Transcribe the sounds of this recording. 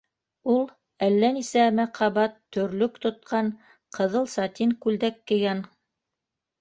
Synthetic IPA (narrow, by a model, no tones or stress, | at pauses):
ulˠ | ælːænisæmæqɑβɑt̪ːɵ̆ɾlɵkt̪ŏt̪̚qɑn | qɤ̆ðɤlˠsɑt̪iŋkʉld̪ækːɘ̆ɡæn